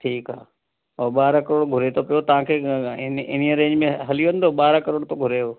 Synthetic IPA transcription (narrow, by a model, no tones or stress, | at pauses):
ʈʰiːkɦaː | oːɓaːɾakəɾoːɽɡʱʊɾet̪ʰopijot̪ɐʋ̤ãkʰeːnɪnijəɾẽːɲd͡ʑmẽɦɐlijʋə̃nɪ̆d̪oːɓaːɾəkəɾoːɽt̪oɡʱʊɾeoː